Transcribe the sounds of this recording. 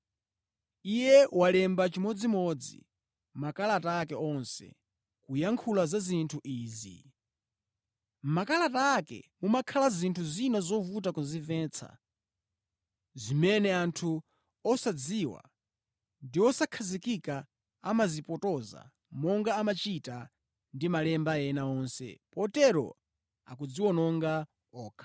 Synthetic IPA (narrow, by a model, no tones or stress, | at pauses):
ijɛwalɛmbat͡ʃimɔd͡zimɔd͡zḭ | makalataːkɛɔnsɛ̰ | kujaŋkʰulazazintʰuʔiːzḭ | makalataːkɛ̰mumakʰalazintʰuzinazɔvutakuzivɛːnt͡sʰa̰ | zimɛnɛantʰu | ɔsad͡ziwa̰ | ndiwɔsakʰazikika | amazipɔtɔza̰ | mɔŋɡaːmat͡ʃita | ndimalɛmbajɛnaɔnsɛ̰pɔtɛɾɔ̰ | a̰kud͡ziwɔnɔŋɡa | ɔːkʰḁ